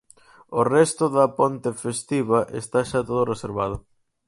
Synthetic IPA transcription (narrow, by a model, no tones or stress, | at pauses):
orɛst̪ʊðɐpont̪efest̪iβaʔḛst̪aʃat̪oðʊreseɾβað̞ʊ